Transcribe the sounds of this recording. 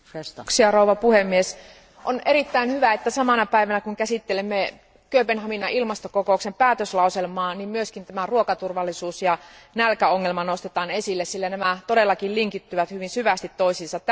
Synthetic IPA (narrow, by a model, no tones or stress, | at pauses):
siɑrouʋɑpuhemːies | ʔonerit̪ːæinhyʋæet̪ːæsɑmɑnɑpæiʋænækuŋkæsit̪ːelemːe | køːpenhɑminɑʔilmɑst̪okokoˑuksempæːt̪øslɑuselmɑːnimmyøskint̪æmæruokɑt̪urʋɑlːisuːsjɑnælkæoŋːelmɑnost̪et̪ɑːnesilːessilːænæmæt̪odelːɑkilliŋkit̪ːyʋæt̪hyʋinsyʋæst̪it̪toisinsɑt̪